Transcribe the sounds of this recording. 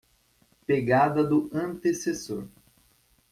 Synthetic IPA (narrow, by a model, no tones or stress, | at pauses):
peɡad̪ɐd̪ʊɐ̃nt̪esesoɾ